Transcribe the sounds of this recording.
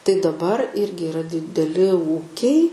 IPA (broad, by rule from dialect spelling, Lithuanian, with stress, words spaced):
tɐɪ dɐˈbɐr ˈɪrʲɡʲɪ ɪˈrɐ dʲɪdʲɛˈlʲɪ ˈuːkʲɛɪ